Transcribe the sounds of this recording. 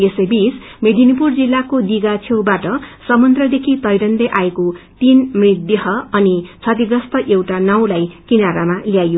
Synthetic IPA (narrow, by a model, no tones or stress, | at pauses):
esejbismed̪ʱinipurd͡zilːakod̪iɡat͡sʰewbaʈʌsʌmʌnt̪rʌd̪ekʰit̪ʌjɾʌnd̪eʔaekot̪inmrid̪jʌɦʌʌnit͡sʰʌt̪iɡɾʌst̪ʌʔewʈanʌw̃lajkinaɾamaljajo